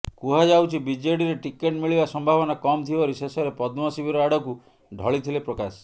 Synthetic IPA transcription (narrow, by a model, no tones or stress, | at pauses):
kuɦad͡ʒawt͡ʃʰibid͡ʒeɽiɾeʈikeʈmiɭibasɔmbʱabɔnakɔmt̪ʰibɔɾisesɔɾepɔd̪mɔsibʱiɾɔaɽɔku | ɖʱɔɭit̪ʰilepɾɔkas